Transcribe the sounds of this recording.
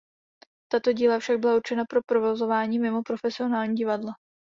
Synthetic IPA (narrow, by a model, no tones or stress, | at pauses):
t̪at̪o̞ɟiːlafʃaɡ̚bɪlauɾt͡ʃɛnapɾo̞pɾovo̞zo̞vaːɲiːmɪmo̞pɾo̞fɛsɪo̞naːlɲiːɟɪvadla